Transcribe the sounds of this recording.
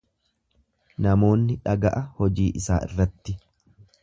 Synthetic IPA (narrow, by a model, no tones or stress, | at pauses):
nɐmo̞ːnːɪᶑɐɡɐʔɐhɔd͡ʒiːʔɪsaːɪ̰rːɐt̪ːɪ